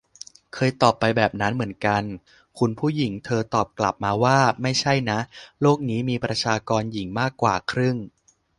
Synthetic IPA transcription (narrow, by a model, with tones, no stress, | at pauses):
kʰɤː˧jt̪ɔː˨˩pːa˧jbɛː˨˩p̚na˦˥nmɯ˩˦ənka˧n | kʰu˧npʰuː˥˩ji˩˦ŋt̪ʰɤː˧t̪ɔː˨˩p̚kla̰˨˩p̚maː˧waː˥˩ma˥˩jt͡ɕʰa˥˩jna˦˥ʔloː˥˩k̚niː˦˥miː˧pɾa˧t͡ɕʰaː˧kɔː˧nji˩˦ŋmaː˥˩kːwa̰ː˨˩kʰɾɯ˥˩ŋ